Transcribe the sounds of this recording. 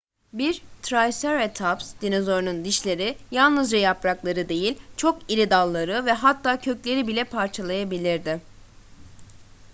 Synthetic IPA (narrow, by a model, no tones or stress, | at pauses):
biɾt̪ʰɾajsæɾet̪ʰapsd̪̥inozo̞ɾnund̪iʃlʲe̞ɾijalˠnɯzd͡ʒajapɾaklˠaɾɯd̪e̞jilʲt͡ʃʰo̞kiɾʲid̪alˠːaɾɯvɛɦat̪ʰːaːcʰø̞clʲe̞ɾibilʲɛpʰaɾt͡ʃʰalˠajabilʲiɾd̪ɪ